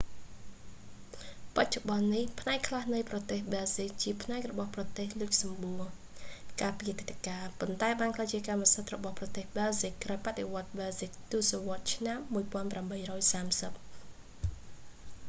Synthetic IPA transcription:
pac̚t͡ɕoɓɑnːihpʰnaɛkʰlahnɨjprɑt̪eːhɓɛlzik̚t͡ɕiəpʰnaɛk̚rɔɓɑhprɑt̪eːhlɨc̚sɑmɓuə | kaːpiət̪ːet̪ːekaːpont̪aɛɓaːnkʰlaːjt͡ɕiəkaːmːasət̪̚rɔɓɑhprɑt̪eːhɓɛlzikkːraɔjpat̪̚ɗeʋŏət̪̚ɓɛlsik̚t̪uəsoʋŏət̪̚t͡ɕʰnamːuəjpŏənpramɓəjrɔːjsaːmsəp̚

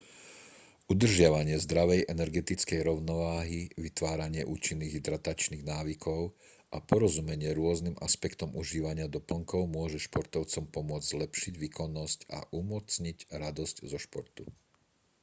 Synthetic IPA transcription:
ʔud̪r̩ʒɪaʋaɲɪɛzd̪ɾaʋɛjʔɛnɛɾɡɛt̪it͡skɛjɾɔʊnɔʋaːɦiʋit̪ʋaːɾaɲɪɛʔṵːt͡ʃinːiːɣd̪ɾat̪at͡ʃniːɣnaːʋikʰɔʊ | ʔapɔɾɔzumɛɲɪɛɾʊɔznima̰spɛkt̪ɔmuʒiːʋaɲɪad̪ɔpl̩ŋkɔʊmʊɔʒɛʃpɔɾt̪ɔʊt͡sɔmpɔmʊɔd͡zzlɛpʃiɟʋiːkɔnːɔsca̰ʔumɔt͡sɲiɟɾad̪ɔsczɔʃpɔɾt̪u

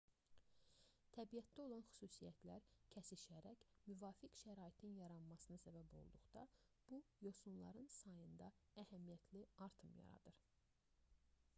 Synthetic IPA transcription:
t̪ʰæbijæt̪̚d̪æo̞lˠɑnxy̥suːsijæ̰t̪ʰlæɾcʰæsiʃæɾæcmyvɑːfikʃæɾɑːit̪ʰinjɑɾɑnmɑsɯnɯsæbæbo̞̰lˠd̪uχd̪̥ɑ | b̥ujo̞sunlˠɑ̰ɾɯnsɑjɯnd̪ɑæhæmijæt̪ʰliɑɾt̪ʰɯmjɑ̰ɾɑ̰d̪ɯɾ

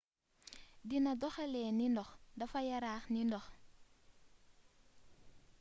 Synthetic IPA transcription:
dinɐdɔxɛlɛːnindɔxdɐfɐjɐɾaːxnindɔx

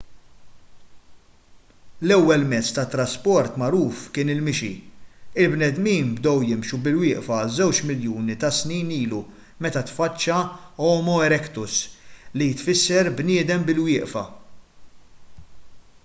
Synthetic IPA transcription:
lɛwːɛlmɛt͡sːt̪ɐt̪ːɾɐspɔɾt̪mɐɾuːfkɪːnɪlmɪʃḭɪlbnɛd̪miːnbd̪ɔwjɪmʃubɪlwɪːʔfɐzɛwt͡ʃmɪljuːnit̪ɐsniːniːlu | mɛt̪ɐt̪fɐt͡ʃːɐɔːmɔɛɾɛkt̪ʊslit̪fɪsːɛɾbnɪːd̪ɛmbɪlwɪːʔfɐ̰

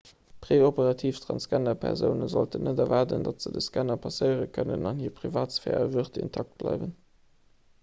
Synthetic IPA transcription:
pʁ̥eːopəʁɑtʰiːftʁɑ̰nskænɐpʰɛ̰ʁzəʊnəzoltənːədɛvɑʁdəndɑtz̥ədəskænɐpʰɑsəɪəʁəkʰənənɑnhiːɐpʁivaːtsfɛ̰ːʁəvuʁtḭntʰɑk̚t̚b̥lɑ̰ɪvən

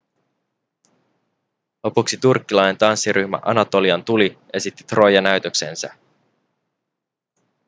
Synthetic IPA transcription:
lo̞puksit̪urkːilɑjnnt̪ɑnsːiɾʔyçmæ̰ʔɑnɑt̪o̞liɑnt̪uli | e̞sit̪ːi̥t̪ro̞jɑnæɥt̪ø̞kse̞̰ːnsæ̰

